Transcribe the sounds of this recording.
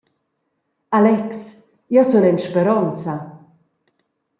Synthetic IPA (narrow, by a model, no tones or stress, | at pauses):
alɛks | jɔsunɛnʃpeɾɔnt͡sa